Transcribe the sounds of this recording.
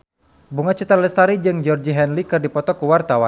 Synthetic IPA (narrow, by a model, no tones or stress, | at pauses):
buŋat͡ʃət̪ərlɛst̪aɾid͡ʒɨŋd͡ʒɔrd͡ʒiɦɛnlikɨrdipɔt̪ɔkuwart̪awa̰n